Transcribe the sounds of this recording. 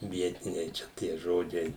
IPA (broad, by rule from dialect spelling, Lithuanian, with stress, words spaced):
ˈʋʲiɛtʲɪnʲɛɪ ˈt͡ʃʲɛ tʲiɛ ˈʒoːd͡ʒʲɛɪ